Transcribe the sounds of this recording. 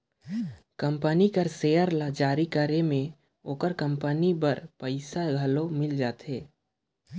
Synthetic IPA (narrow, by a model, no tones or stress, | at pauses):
kə̃mpənikəɾsejəɾlad͡ʒaːɾikəɾemẽ | oːkəɾkə̃mpənibəɾpəɪsaɡʱəlomɪld͡ʒaːt̪ɦeː